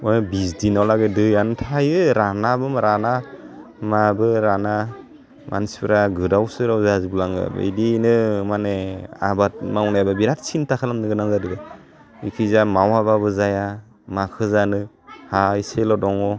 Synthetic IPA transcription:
ɔnbisdinawlaɡɯdɯjantʰajɯɾanabɯmɾana | mabɯɾana | ma̰nsi̥pʰɾaɡɯdawsɯɾawzazibulaŋɯ̰bɯ̰dinɯmanea̰bat̚maunajbabiɾat̚sintakʰalamnɯɡɯnaŋzadɯɡɯ | ikʰɯzamawababɯzaja | makʰɯzanɯ | haiselɔdɔŋɔ

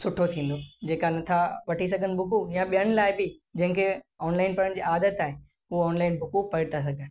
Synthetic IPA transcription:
sʊʈʰot̪ʰĩːn̆d̪od͡ʑeːkanɐt̪ʰaʋɐʈʰis̬ɐɡʱənbʱʊkujãɓijəɽ̃̆laːɪbɪd͡ʑɐ̃ɦɪ̃ŋkʰeɔːnlaːɪnpɐɾəɽ̃d͡ʑḭːʔaːd̪ət̪aːɦe | uːnlaːɪnbʱʊkupɐɪt̪as̬ɐɡʱən

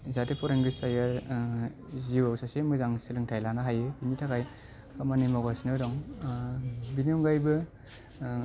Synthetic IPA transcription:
zatepʰɔɾeŋɡɯsajaɾ | ziwawsasemɯzaŋsɯlɯŋtʰajlanaɦajebinitʰakaj | kʰamanimawɡasinɯwdɔŋ | biniuŋɡajbɯ

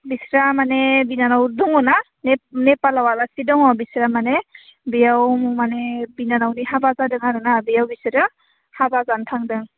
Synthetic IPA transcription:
bisɾamanebinanawduŋɔna | nenepalawalasidɔŋɔbisɾamane | bijawmumanebinanawnihabazadɯŋaɾɯnabijawbisɯɾɯ | habazantʰaŋdɯŋ

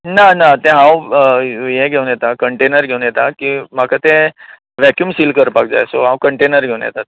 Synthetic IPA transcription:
nanat̪ɛ̃ɦãw | jɛ̃ɡʱeunjɛt̪akəɳʈenəɾɡʱeunjɛt̪akim̤akʰat̪ẽ | ʋɛkjumsiːlkəɾpak̚d͡za̰jso̰ɦãwkəɳʈenəɾɡʱewũnjɛ̰t̪at̪̚

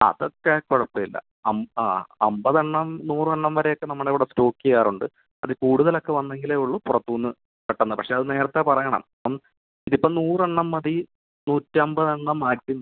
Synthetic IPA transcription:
ɐ̰ðokːekoɻɐpːɐilːɐ̰ | ɐmɐmbɐðɐɳːɐmnuːrɐɳːɐmʋɐɾe̞jo̞kːe̞nɐmːɐɽeʋiɽesto̞ːkːijaːruɳɖɨ | ɐðɨkuːɽuðɐlo̞kːe̞ʋɐnːe̞ŋɡileuɭːupurɐt̪ːuːnːɨ | peʈːɐnːɐpɐkʂe̞ɐðɨne̞ːɾɐt̪ːepɐrɐjːɐɳɐ̰m | ɐm | iðipːoɭnuːrɐɳːɐmːɐði | nuːtːɨɐmbɐðɐɳːɐmːaːtʲːinː

